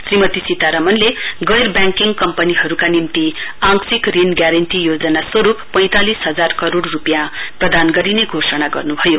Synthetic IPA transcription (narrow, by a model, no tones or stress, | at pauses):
srimʌt̪isit̪aɾʌmʌnleɡʌjrbjaŋkiŋɡkʌmpʌniɦʌɾukanimt̪iaŋsikrinɡjaɾʌnʈijod͡zʌnasʌɾupʌj̃t̪alisɦʌd͡zarkʌɾoɽːupjãprʌd̪anɡʌɾineɡʱosʌnaɡʌ̰rnubʱʌjo